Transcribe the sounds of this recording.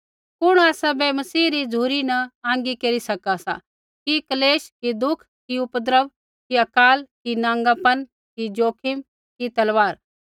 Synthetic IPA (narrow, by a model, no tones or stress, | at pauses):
pʊɽ̃aːsɐbɛmɐsiːɾid͡zʱuːɾinɐãːŋ̆ɡikeːɾisɐkasa̰ | kikɐleːʃkid̪ʊkʰkiʊpəd̪ɾəʋ | kiɐkaːlkinãːŋɡapɐn | kid͡ʒoːkʰɪm | kit̪ɐlʋaːɾ